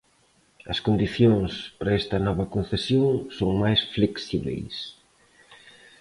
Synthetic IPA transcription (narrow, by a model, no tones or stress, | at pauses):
ɐskond̪iθjoŋspɐɾɐɛst̪ɐnɔβɐkõn̟θesjoŋsoŋmajsfleksiβḛjs